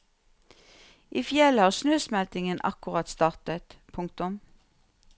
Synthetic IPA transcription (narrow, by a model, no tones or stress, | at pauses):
ʔiːfjɛləhɑːʁʃnøːsmɛlt̪ɪŋənʔɑ̰kʊʁɑt̪st̪ɑːʁt̪ət̪pʰʊŋk̚t̪ʊm